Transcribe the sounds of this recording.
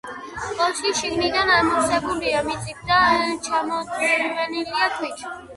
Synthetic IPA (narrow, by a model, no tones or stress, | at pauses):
kʼɔlˠʃiʃiɡnid̪anamɔsɛbuliamit̪sʼib̚d̪at͡ʃʰamɔt̪ʼivɛniliak̪ʰwit͡ʃʰi